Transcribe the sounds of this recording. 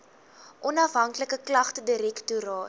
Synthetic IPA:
ʔɔnɐfɦɐŋkləkəklɐχtədəɾɛktuɾɑːt

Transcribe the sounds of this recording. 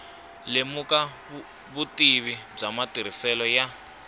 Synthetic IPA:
lemuka | βutiβib͡ʐamatiɾ̤isɛlɔja

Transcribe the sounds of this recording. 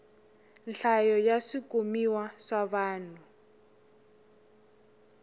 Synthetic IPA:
nɬajɔjasikomiwasaβaːn̤u

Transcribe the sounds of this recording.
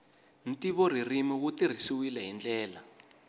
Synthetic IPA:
n̩tiβɔr̤irimik̬utir̤isuwilɛɦind͡ɮɛːla

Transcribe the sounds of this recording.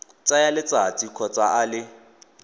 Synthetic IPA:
t͡sʼajalɪt͡sʼat͡sʼikʰɔt͡sʼaʔalɪ

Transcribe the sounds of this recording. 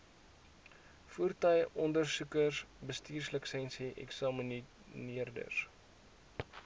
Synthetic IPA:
fuərtəjʔɔndərsukərsbəstiːrsləksɛnsiʔɛ̰ksɑmən | niərdə̰s

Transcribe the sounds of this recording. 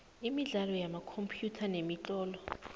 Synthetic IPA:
imiɮalɔjamakʰompʰjutʰanemit͡ɬʼɔːlɔ

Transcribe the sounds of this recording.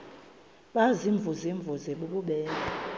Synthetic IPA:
ɓaziɱvʱuziɱvuzeɓuɓuɓɛːna

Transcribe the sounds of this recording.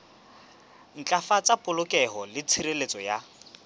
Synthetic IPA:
n̩t͡ɬʼafat͡sʼapʼʊlʊkʼɛɦɔlɪt͡sʰiɾelet͡sʼɔja

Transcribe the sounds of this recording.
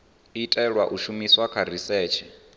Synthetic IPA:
itʼɛɺwaʔuʃumiswakʰaɾisɛːt͡ʃʰɛ

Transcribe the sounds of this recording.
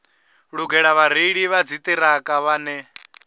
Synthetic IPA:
ɺuɡɛɺaβaɾ̤iɺiβad͡zit̪ʼiɾakʼaβaːnɛ

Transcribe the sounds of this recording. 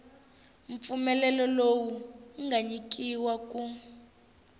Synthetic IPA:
ɱp̪fumɛlɛlɔlowuŋɡʱaɲik̬ʼiwak̬ʼu

